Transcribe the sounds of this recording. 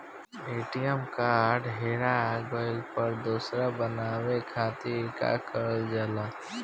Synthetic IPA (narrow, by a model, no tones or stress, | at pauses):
eːʈijəmkaːɾɖɦeːɽaɡɔːɪlpəɾd̪uːsɾabənaːwekʰaːt̪iːɾka̰kəɾld͡ʒəlaː